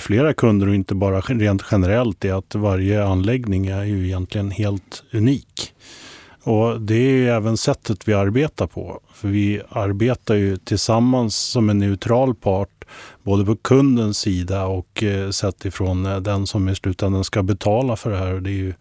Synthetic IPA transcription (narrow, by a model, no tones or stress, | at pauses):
fleːɾakʰɵnd̪əɾɔɪnt̪əbɑːɾaɾeːnt̪ɧɛnəɾɛlt̪ɛat̪vaɾjəanlɛɡnɪŋæɾjɵɛjɛnt̪ʰlɪɡənheːlt̪ʉniːk | ɔd̪ɛæːɾjɛːvənsɛt̪ʰːət̪vɪaɾbeːt̪aɾpʰɔ̰fœɾvɪaɾbeːt̪aɾjɵt̪ʰɪlsamːansːɔmɛnːɛʉt̪ʰɾɑːlpʰɑːʈboːd̪əpʰɔkʰɵnd̪ənsːiːd̪aɔksɛt̪ːɪfɾond̪ɛnsɔmɪslʉ̟ːt̪ɛnd̪ənskabɛt̪ʰɑːlafœɖɛɦæːɾɔd̪ɛːɾjɵ